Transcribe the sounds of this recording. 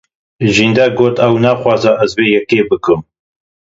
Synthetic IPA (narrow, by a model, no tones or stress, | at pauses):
ʒiːnd̪ɛɡoːt̪ɛwnaːxʷwɑːzɛʔɐzveːjɛkeːbɨkɨm